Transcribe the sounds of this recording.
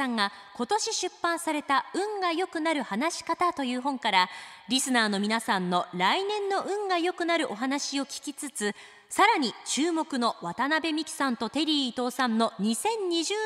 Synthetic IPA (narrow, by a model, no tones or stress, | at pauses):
ãŋɡa | ko̞t̪o̞ɕiɕɨpːãɰ̃saɾe̞t̪aɯ̟̃ŋɡajo̞kɯ̟naɾɯ̟hanaɕi̥kat̪at̪o̞jɯ̟ːɦõ̞ŋkaɾaɾʲisɨnaːno̞mʲinasãnːo̞ɾainẽ̞nːo̞ʔɯ̟̃ŋɡajo̞kɯ̟naɾɯ̟ʔo̞ɦanaɕio̞kʲi̥kʲit͡sɨt͡sɨ | saɾaɲ̟it͡ɕɨːmo̞kɯ̟no̞βat̪anabe̞mʲikʲi̥sãnt̪o̞t̪e̞ɾʲiːt̪o̞ːsãnːo̞ɲ̟isẽ̞ɲ̟ɲiʑɨ